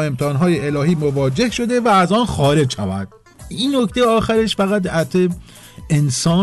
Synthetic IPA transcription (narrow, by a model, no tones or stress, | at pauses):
emt̪ʰɛɒːnɦɒːjeelɒːɦiːmovɒːd͡ʒe̞hʃo̞d̪e̞væːzɒːnxɒːɾe̞d͡ʒʃævæ̰d̪̥̚ | iːnːoct̪ejeɒːxæɾeʃfæɣæt̪æt̪ʰe | ensɒː